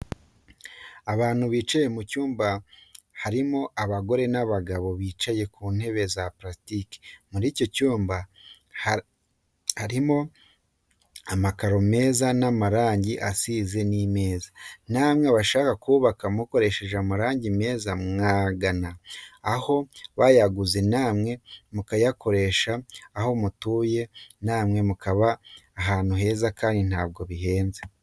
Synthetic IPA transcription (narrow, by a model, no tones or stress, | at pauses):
aβaːn̥huβiːt͡ʃaje̞mucuːmba | haɾimo̞ʔaβaɡo̞ɾe̞naβaɡaβo̞βiːt͡ʃaje̞kuːnhe̞βe̞zapɾastike̥muɾiːco̞cuːmba | haɾimo̞ | amakaɾo̞me̞ːzanamaɾaːɲɟiʔasize̞nime̞ːzan̥aːmŋeβaʃaːkakuːβakamuko̞ɾe̞ʃe̞ʒamaɾaːɲɟime̞ːzamŋaːɡanaːho̞βajaɡuze̞naːmŋe̞mukajako̞ɾe̞ʃaːho̞mutuːje̞naːmŋe̞mukʰaβaːɦaːn̥huɦe̞ːzakaːndin̥aːb̚ɡo̞βiɦe̞ːnze